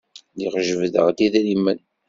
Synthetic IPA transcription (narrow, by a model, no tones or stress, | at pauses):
ðiʁʒəvðəʁd̪iðlimːən